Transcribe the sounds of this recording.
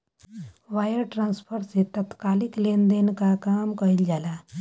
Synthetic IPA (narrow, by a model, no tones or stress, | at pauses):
ʋajəɾʈɾãnspʰəɾset̪ət̪kaliklend̪enkakamkəild͡ʒala